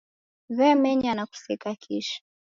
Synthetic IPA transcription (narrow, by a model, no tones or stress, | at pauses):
βɛmɛɲanaku̥sikakʰiʃḁ